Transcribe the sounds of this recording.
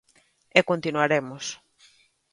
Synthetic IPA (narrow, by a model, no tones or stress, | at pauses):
ekont̪inwaɾemos